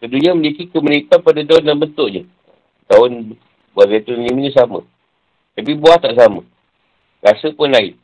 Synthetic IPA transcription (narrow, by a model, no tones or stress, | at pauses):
k̪əduɲamənikikəmənipat̪̚padad̪aʊndanbənt̪ʊʔɲə | d̪aʊn | buazat̪uɲiməɲəs̬amə̰̃ | t̪apibuaht̪aʔs̬amə̰̃ | rasəpʊnlaɪ̰n